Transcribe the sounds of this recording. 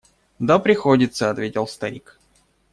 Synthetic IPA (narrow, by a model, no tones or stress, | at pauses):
d̪apɾʲɪxodʲɪt̪səɐt̪vʲetʲɪlˠst̪ɐɾʲik